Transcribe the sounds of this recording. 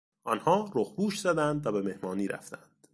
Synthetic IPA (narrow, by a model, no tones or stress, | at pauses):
ʔɒnhɒːɾoxbuːʃz̥æd̪ænd̪væbe̞me̞hmɒːniːɾʔæ̰ft̪ænd̪̥